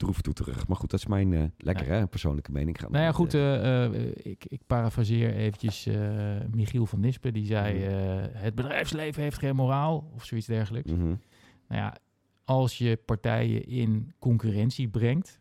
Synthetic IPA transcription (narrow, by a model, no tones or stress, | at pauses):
d̥ruftutərə̰χmaɹχutdɑtɪ̥smɛjnlɛkkə̰rɛpəɹso̰wnləkəmḛjnɪŋχa̰nnojjaχutəə̰ɪ̰kɪk̚parafrazɪːɹejvənjəsəmiχilˠvɑndɪspədizɛjəɦəd̚bədrɛjfslejvəɦejftχejnmoraːlˠɔfsoitzdɛɹɣələks̩ | na̰wja̰ | ɑlˠsjəpaɹtɛ̰jə̰ʔɪnkɔŋkyrɛnsibrɛŋkt